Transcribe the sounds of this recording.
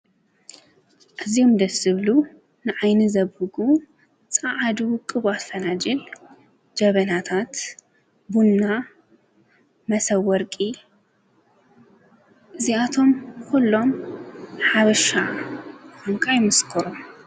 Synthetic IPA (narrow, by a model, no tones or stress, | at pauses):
ʔazijomd̪ɐsɨβlu | nɨʕajnɨzɐbɨɡu | t͡sʼaʕad̪ukʼɨβat̪fɐnad͡ʒɛl | d͡ʒɐβɐnat̪ʰat̪ | bunːa | mɐsɐwːɔɾkʼi | ʔɨziat̪ʰo̞mkʰulːo̞m | ħaβɐʃa | kɐmkʰajmɨskʰɔɾom